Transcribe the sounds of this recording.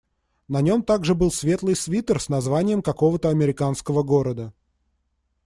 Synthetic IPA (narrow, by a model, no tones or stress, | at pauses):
nɐnʲo̞mt̪aɡʐɨbɨlˠsvʲe̞t̪lˠɨjsvʲit̪ərsnɐzvanʲɪjəmkɐko̞vət̪əɐmʲɪɾʲɪkanskəvəɡo̞ɾəd̪ə